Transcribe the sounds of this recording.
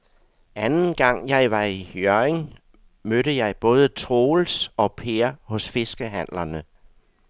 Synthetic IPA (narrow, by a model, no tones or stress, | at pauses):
ænn̩ɡ̥ɑ̈ŋ̰jɑ̈ɪʋɑ̈ihøɐeŋ | møɾəjɑ̈ɪb̥ɔ̽ːð̞ˠət͡sʰʁoːlsɒ̽pʰeɐhɔ̽sfe̝sɡ̥əɦæn̰lɐnə